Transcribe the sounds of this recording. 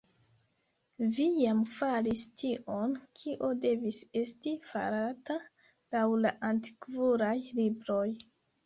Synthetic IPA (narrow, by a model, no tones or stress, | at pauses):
vijamfalistiʔo̞nkʰiʔo̞de̞vise̞stifa̰ɾata | lawlaʔanti̥kvuɾajlibɾo̞j